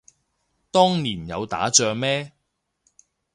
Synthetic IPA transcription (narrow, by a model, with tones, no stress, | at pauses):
t̪ɔː˥ŋniː˨˩njɐ̰˨˧wt̪a̰ː˨˥t͡ʃœː˧ŋmɛː˥